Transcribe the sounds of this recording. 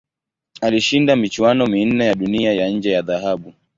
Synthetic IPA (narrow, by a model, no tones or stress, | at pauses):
aliʃindamit͡ʃwanɔmin̩nːɛjaɗuniajaɲ̩d͡ʒɛjaðaɦaɓu